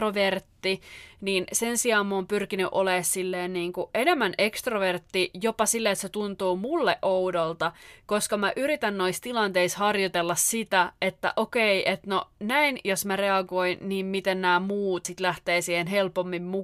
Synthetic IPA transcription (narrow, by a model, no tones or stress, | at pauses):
roʋert̪ːiniːnsensiɑːmmoːmpyrkiny̰ʔoleːssilːeːnniːŋkuʔenemːænekst̪roʋert̪ːijopɑsilːeet̪set̪unt̪uːmulːeʔʔoudolt̪ɑkoskɑmæʔyɾit̪ænno̞ist̪ilɑnt̪eishɑrjot̪elːɑssit̪æet̪ːæ̰ʔokeiʔet̪nonæinjosmæreɑɡoinniːmmit̪ennæːmuːt̪sit̪læht̪eːsiːhenɦelpomːimmu